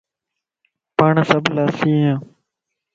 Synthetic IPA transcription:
pəɳsəblaːsiːãː

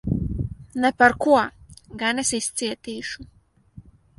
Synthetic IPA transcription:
nɛpɐɾkʰuɐɡanɛsist͡siɛt̪iːʃu

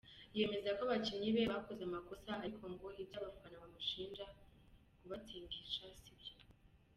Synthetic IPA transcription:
je̞me̞zakoβat͡ʃimɲiβeβakozeamakosaaikʰoŋɡohitaβafkanaamuʃiːnd͡ʒa | kuβatʰiːŋɡit͡ʃasibjo

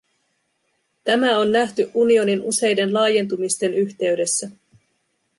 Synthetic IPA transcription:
t̪æmæo̞nːæht̪yʔunio̞ninuse̞jde̞nlɑːje̞nt̪̬umist̪e̞nyçt̪e̞yɥde̞sːæ

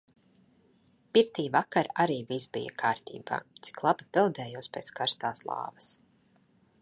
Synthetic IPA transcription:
piɾt̪iːvakaɾaɾiːvisbḭja̰kʰaːɾt̪ḭːba̰ːt̪si̥klˠabipɛlˠd̪ɛːjuɔspʲeːt̪skaɾst̪aːslˠɑ̰ːvɐs

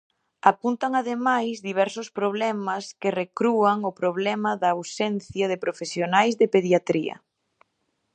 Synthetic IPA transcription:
apunt̪aŋaðemajzðiβ̞ɛɾsʊspɾoβ̞lɛmɐskɪrekɾuaŋʊpɾoβlɛmɐðɐːwsɛn̟θjaðɪpɾofesjonajzðɪpeðjat̪ɾiɐ̰

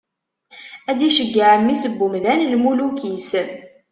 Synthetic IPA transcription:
æd̪iʃəɡːaʕəmːisəbːumðænlmulukisən

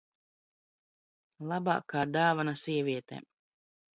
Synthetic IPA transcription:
lˠaba̰ːkːaːd̪aːvanasiɛvʲiɛt̪ɛ̰

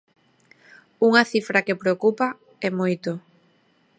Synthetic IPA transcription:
uŋɐθifɾakepɾeokupa | ɛmojt̪o

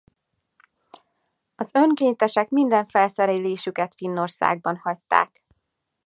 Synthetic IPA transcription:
ɒzø̞ŋkeːɲt̪ɛʃɛkmind̪ɛɱfɛlsɛɾeleːʃykɛt̪finːo̞rsa̰ːɡ̚bɒnhɒct̪ːa̰ːk

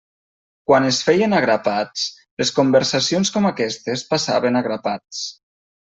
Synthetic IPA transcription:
kwanesfɛjənaɣɾapat͡s | leskumbeɾsasionskɔmakɛst̪espasa̰βenaɣɾapat͡s

